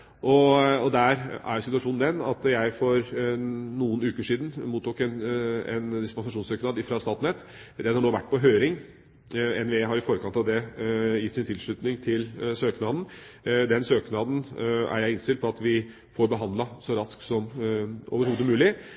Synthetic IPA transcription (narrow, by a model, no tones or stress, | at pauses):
ʔɔɔd̪æɾæ̰ɾjʊsɪt̪ʉɑʂuːnnd̪ɛnɑ̰t̪jæɪfɔɾ | nuːənʉːkəʂiːd̪n̩muːt̪ːuːkɛnɛ̰nd̪ɪspɑnsɑʂuːnsøːknɑːd̪ɪfɾɑst̪ɑːt̪nɛt̪ | d̪ɛnhɑɳoːʋæ̰ʈːpɔɦøːɾɪŋ | ɛnʋeːɦɑɾɪfɔɾəkɑnt̪ɑʋd̪ɛjɪt̪ːsɪnt̪ʰɪlʂɭʉt̪nɪŋt̪ʰɪlsøːknɑːd̪n̩ | d̪ɛnsøːknɑːd̪n̩æ̰ɾjæɪɪnst̪ɪlpʰɔɑt̪ʋɪ | foːɾbəɦɑnd̪lɑsɔɾɑsksɔmʔo̰ːʋəɾhuːd̪əmʉːlɪ